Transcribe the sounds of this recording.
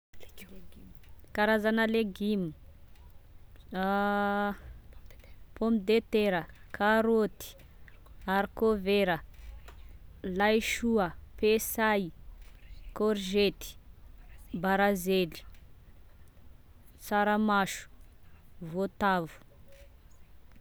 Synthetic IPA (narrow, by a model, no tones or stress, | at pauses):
kaɾazanəleɡimi̥ | pomid̪et̪eɾəkʰaɾot̪i̥ | aɾkoveɾə | lajʃuəpesaj | koɾʒet̪i̥ | baɾazeli̥ | t͡saɾəmaʃu̥ | vot̪avu̥